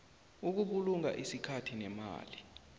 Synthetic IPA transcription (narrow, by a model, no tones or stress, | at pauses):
uk̬uɓuluŋa̰ʔisikʰatʰinɛma̰ːli